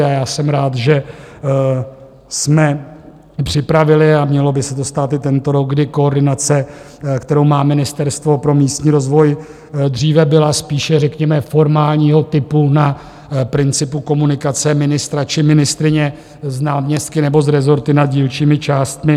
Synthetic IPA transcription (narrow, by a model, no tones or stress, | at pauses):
ajaːsɛmɾaːt̪ʒɛ | smɛ | pr̝̥ɪpɾavɪlɪamɲɛlo̞bɪsɛt̪o̞st̪aːt̪ɪt̪ɛnt̪o̞ɾo̞ɡ̚ɡdɪko̞ːɾdɪnat͡sɛ | kt̪ɛɾo̞wmaːmɪnɪst̪ɛɾst̪vo̞pɾo̞miːst̪ɲiːɾo̞zvo̞j | d̪riːvɛbɪlaspiːʃɛrɛkɲɛmɛfo̞ɾmaːlɲiːɦo̞t̪ɪpuna | pɾɪnt͡sɪpuko̞munɪkat͡sɛmɪnɪst̪ɾat͡ʃɪmɪnɪst̪ɾɪɲɛ | znaːmɲɛst̪kɪnɛbo̞zɾɛzo̞ɾt̪ɪnad̪̚ɟiːlt͡ʃiːmɪt͡ʃaːst̪mɪ